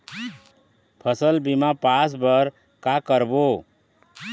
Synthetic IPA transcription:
pʰʌsəlbimapasbəɾ | kakəɾbo

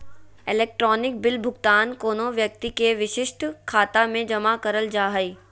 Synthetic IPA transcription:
ɪlɛːk̚ʈɾɔːnɪk̚bɪlbʱʊɡt̪aːnkoːnoʋjɐk̚t̪ikeʋɪʃɪʃt̪kʰaːt̪amẽd͡ʒɐmakɐɾəld͡ʒaːɦəiː

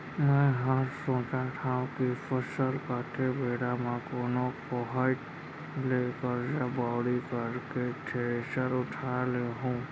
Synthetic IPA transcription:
mɛ̃ɦəɾsõːt͡ʃaʈ̪ʰaːũkifʰəsəlkaːʈʰebʱeːɽamãkoːnõkoɦaɪʈ | leːkəɾd͡ʒabaːɽikəɾkeʈʰeesəɾʊʈʰaleɦũː

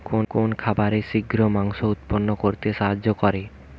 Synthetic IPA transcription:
konkonkʰabaɾeʃiɡɾomaŋʃout̪̚ponːokoɾt̪eʃaɦad͡ʑːokɔɾe

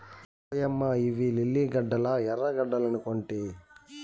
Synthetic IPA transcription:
jɐmːɐiʋililːiɡɐɖːɐlɐɛɾɐɡɐɖːɐlɐnukoɳʈi

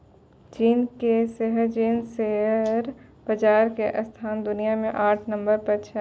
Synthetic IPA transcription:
t͡ʃiːnkeseɦəɾt͡ʃiːnseɦəɾb̥ɐd͡ʒaːɾkeʔɐst̪ʰaːnd̪ʊnijamẽʔaːʈʰnɐ̃mbəɾpɐt͡ʃʰə

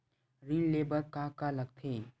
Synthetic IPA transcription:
ɾinleːbəɾkakaləɡ̚t̪ʰeː

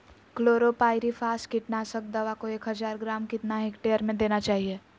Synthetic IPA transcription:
kloːɾopaːɪɾifʰaːsʈkɪʈnaːsək̚d̪ɐʋakoeːkɦɐzaːɾɡɾaːmkɪt̪naɦɪkʈejəɾmẽd̪eːnat͡ʃaːɦieː

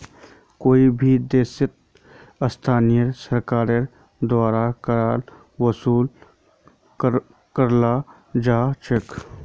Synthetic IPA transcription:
koːibʱid̪eːsɪt̪̚ | əst̪ʰaːnijəɾsəɾkaːɾe | d̪waːɾakəɾaːl | wəsuːl | kəɾla | d͡ʒaːt͡ʃʰek

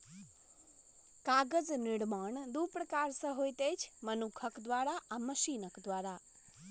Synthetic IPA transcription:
kaɡəd͡ʒnɪɽmaɳd̪upɾəkaɾsəɦojt̪ed͡ʒʰmənukʰəkd̪ʋaɾaʔaməʃinəkd̪ʋaɾa

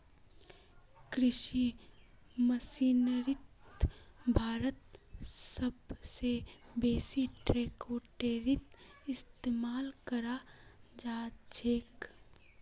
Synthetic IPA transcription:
kɾɪʃi | məsiːnəɾɪt̪ | bʱaːɾət̪səbsebeːsiʈɾeːkoːʈeːɾɪt̪ɪst̪eːmaːlkəɾad͡ʒaːt͡ʃeːk

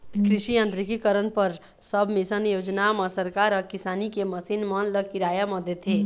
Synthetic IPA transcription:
kɾɪʃiə̃nt̪ɾikikəɾənpəɾ | səbʱmesənjoːd͡ʒnaməsəɾkaɾəkisaːnikeməsinmənləkiɾajamɔd̪et̪ʰe

